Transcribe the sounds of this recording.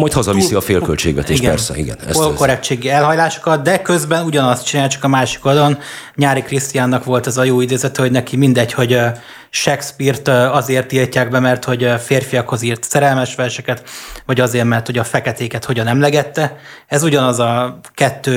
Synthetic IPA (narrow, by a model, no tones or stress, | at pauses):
mɒjt̪hɒzɒisiɒfeːlkølt͡ʃḛːɡʋɛ̰t̪eːiʃɡɛpɛ̰rsɛ̰ḭɡɛ̰nɛ̰solkoɾɛt͡ʃeːɡiɛlɦɒjlaːʃo̥kɒt̪̚d̪ɛkøzbɛnuɟɒnɒst̪̚t͡ʃinaːjt͡ʃɒ̥kɒmaːʃi̥kɒd̪ɒlonɲaːɾikrist̪ijaːnːɒkʋo̞lt̪ɛzɒjoːid̪eːzɛt̪ɛho̞ɟnɛkimind̪ɛcho̞ɟ | ʃɛkspirt̪ɒzeːrt̪ilcaːɡ̚bɛmɛrt̪ho̞ɟfeːrfijɒkho̞ziːrt̪sɛɾɛlmɛʃʋɛrʃɛkɛt̪ʋɒɟɒzeːrmɛrt̪ho̞ɟɒfɛkɛt̪eːkɛt̪ho̞ɟɒnɛmlɛɡɛt̪ːɛ | ɛzuɟɒnɒzɒ | kɛt̪ːøː